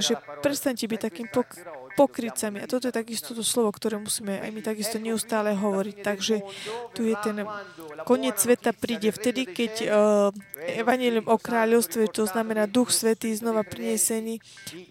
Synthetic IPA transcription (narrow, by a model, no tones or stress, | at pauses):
ʒɛpɾɛt̪st̪aɲcɛbic̚t̪akiːmippɔkɾit͡samiat̪ɔt̪ɔjɛt̪aɡist̪ɔt̪ɔslɔʋɔkt̪ɔɾɛːmusiːmɛa̰jmit̪aɡist̪ɔɲɛust̪aːlɛɦɔʋɔɾict̪aɡʒɛt̪ujɛt̪ɛnkɔɲɪɛt͡sːʋɛt̪apɾiːɟɛft̪ɛd̪ikɛc | ɛʋaɲɛliumʔɔkɾaːʎɔʊst̪ʋɛt̪ɔznamɛnaːd̪uxsʋɛt̪iːznɔʋapɾiɲɛsɛniː